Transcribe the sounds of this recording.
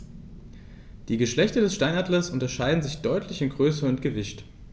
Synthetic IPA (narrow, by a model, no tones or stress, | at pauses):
d̥iːɡəʃlɛçtɐdɛsʃtaɪnaːdləsʔʊntɐʃaɪdn̩zɪçd̥ɔʏtʰlɪçɪnɡʁøːsɐʊntɡ̥əvɪʃt